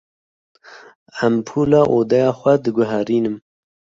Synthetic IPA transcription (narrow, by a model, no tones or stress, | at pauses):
æmpʰuːlɑːʔoːd̪ɛjɑːxʷɛd̪ɨɡʊɦæɾiːnɨm